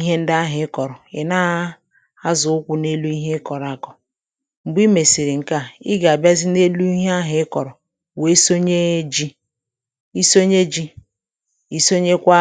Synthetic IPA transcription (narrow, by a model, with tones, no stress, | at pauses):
i˦ɦe˦n̩˦da˦ɦɪ˨˦kɔ˨ɾɔ˨e˨na˦ | a˦zʊ˨ʊ˦kʷu˦ne˦lu˦i˦ɦe˦kɔ˨ɾa˨kɔ˨ | ŋ͡m̩˨ɡ͡bi˦me˨si˨ɾi˨ŋ̩˨ka˦i˦ɡa˨a˨ba˦zi˦ne˦lu˦i˦ɦe˦a˦ɦɪ˨˦kɔ˨ɾɔ˨ | we˦so˦ɲe˦d͡ʒi˦ | i˦so˦ɲe˦d͡ʒi˦ | i˦so˦ɲe˦kʷa˦